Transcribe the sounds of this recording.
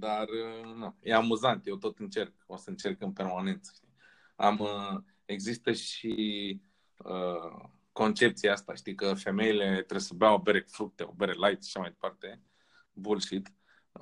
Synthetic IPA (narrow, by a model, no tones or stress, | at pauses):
d̪arnujʔe̞amuzant̪je̞wt̪o̞t̪ɨnt͡ʃe̞rkosəɨnt͡ʃe̞rkɨnpe̞rmane̞nt̪sə̥ʃt̪i | a̰mə | e̞ɡzist̪əʃi | ə | ko̞nt͡ʃe̞p̚t̪sieast̪a̰ʃt̪ikəfe̞me̞ile̞t̪ɾebsəbeaobeɾefɾuk̚t̪e̞o̰beɾelajt̪sʃḁʃamajd̪e̞̥part̪e̞ | bulʃit̪